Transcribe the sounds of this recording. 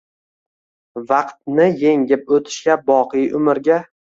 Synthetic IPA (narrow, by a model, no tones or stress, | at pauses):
vɑqt̪̚nɪjeŋɡʲɪp̚ot̪ʰɪ̥ʃkʲabɒqʰɨjʔʊmɪɾɡʲa